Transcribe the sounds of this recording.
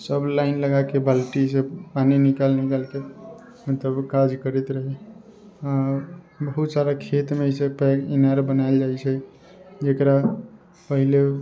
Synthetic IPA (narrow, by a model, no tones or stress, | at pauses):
səblaɪnləɡakebʱəlʈisepaninikalnikalke | mət̪ləbkad͡ʒkəɾɛt̪ɾəɦɛ | a | bəɦut̪saɾakʰet̪mesepaeɡinaɾbənaeld͡ʒajt͡ʃʰɛ | d͡ʒekɾa | pəɦile